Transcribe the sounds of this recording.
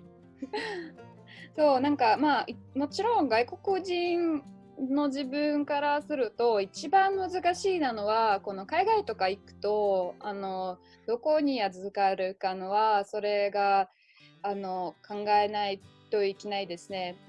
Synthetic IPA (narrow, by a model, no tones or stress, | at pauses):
so̞ːnãŋkamaimo̞t͡ɕiɾõ̞ŋɡaiko̞kɯ̟ʑĩn | no̞ʑibɯ̟̃ŋkaɾasɨɾɯ̟t̪o̞it͡ɕibãmmɯ̟zɨkaɕiːnano̞βako̞no̞kaiɡait̪o̞kaikɯ̟̥t̪o̞ano̞ | d̪̥o̞ko̞ɲ̟ijazɨɨkaɾɯ̟kano̞βaso̞ɾe̞ɡaː | no̞kʰãŋɡae̞nait̪o̞ikʲinaid̪e̞sɨne̞